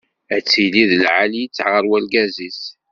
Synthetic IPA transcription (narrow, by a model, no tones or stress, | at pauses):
æt͡sːiliðlʕalijit͡sːʕʁəɾwælɡæzis